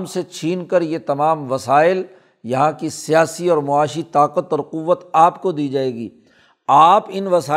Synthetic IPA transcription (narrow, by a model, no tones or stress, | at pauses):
mset͡ʃʰiːnkəɾjet̪ɐmaːmʋɐsaːɪl | jɐɦãkisijaːsiɔːɾmʊaːʃit̪aːqət̪ɔːɾqʊʋːət̪aːpkod̪iːd͡ʒaːeːɡiː | aːpɪnʋɐsaː